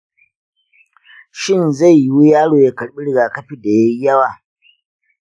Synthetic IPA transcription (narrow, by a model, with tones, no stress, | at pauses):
ʃɪ˦˨nza˦˨jji˦wu˦jaː˦ɽoː˨ja˦kɐ˨ɽɓi˦ɽɪ˦˨ɡaː˨kɐ˦ɸi˦da˨ja˦jɐ˦waː˨